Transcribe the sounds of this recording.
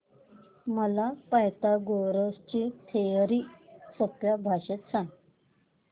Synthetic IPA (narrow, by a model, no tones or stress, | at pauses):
məlapajt̪aɡoɾəst͡ɕit̪ʰejəɾisopjabʱaɕet̪sãŋɡ